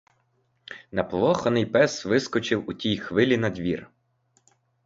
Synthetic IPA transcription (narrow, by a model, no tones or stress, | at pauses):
nɐplˠɔxɔnɪjpɛsʋɪskɔt͡ʃɪwʊtʲijxʋɪlʲinɐd̪ʲʋʲir